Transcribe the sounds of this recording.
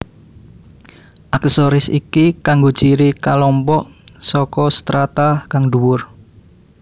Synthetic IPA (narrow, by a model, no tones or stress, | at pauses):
ʔaksɔɾɪsḭkikaŋɡo̥t͡ʃiɾikalɔmpɔʔsɔkɔst̪ɾat̪akaŋɖ̪uwʊr